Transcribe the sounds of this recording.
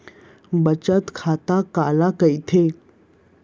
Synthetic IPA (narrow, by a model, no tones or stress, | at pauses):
bət͡ɕət̪kʰat̪akalakəjt̪ʰe